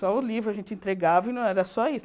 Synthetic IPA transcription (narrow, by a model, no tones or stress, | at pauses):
sɔʊlivɾʊɐʒẽnt͡ʃɪẽnt̪ɾeɡavɐɪnɐ̃w̃ɛɾɐsɔis